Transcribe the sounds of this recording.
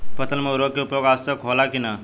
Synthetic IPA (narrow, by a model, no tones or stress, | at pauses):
pɐt̪ənmeuɾokeupjoɡasəkʰolakina